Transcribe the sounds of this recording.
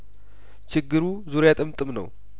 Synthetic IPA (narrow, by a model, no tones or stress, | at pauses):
t͡ʃʰɪɡːɨɾuzuɾjat̪ʼɨmt̪ʼɨmnə̰w